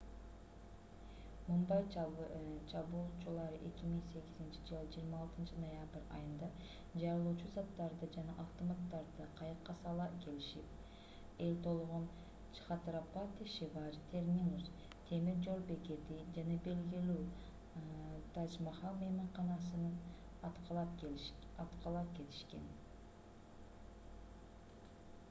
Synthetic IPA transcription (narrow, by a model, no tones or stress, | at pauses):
mumbɑj | t͡ʃʰɑβuːlˠt͡ʃulˠɑɾɯʔe̞kʲimiŋse̞ɡizint͡ʃid͡ʒɯlˠd͡ʒijːɾmɑːlˠt̪ɯnt͡ʃɯnojabɨɾɑ̰jɯnd̪ɑ | d͡ʒɑɾɯlˠuːt͡ʃuzɑt̪ːɑɾd̪ɯd͡ʒɑnɑʔɑft̪ɯmɑt̪ːɑɾd̪ɯqʰɑjɯqːɑsɑlˠɑke̞liʃip̚ | e̞lt̪ʰo̞lˠʁon | t͡ʃi̥χɑt̪ɾapat̪iʃivɑɾit̪ʰe̞ɾmʲinus | t̪ʰe̞miɾd͡ʒo̞ɾbe̞ke̞t̪id͡ʒɑnɑbe̞lɡilyː | t̪ʰɑd͡ʒmɑχɑlˠmejmɑɴqɑnɑsɯnɯn | t̪qlˠɑpɑt̪qɑlˠɑp̚ke̞t̪i̥ʃke̞̰n